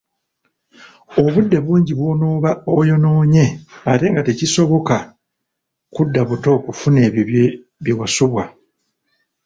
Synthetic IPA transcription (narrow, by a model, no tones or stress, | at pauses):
o̞βudːe̞βuːɲɟiβwonoːβaojo̞no̞ːɲe̞ate̞ːŋɡateciso̞βo̞ka | kudːaβuto̞ːkufune̞ː | βiwasuβwa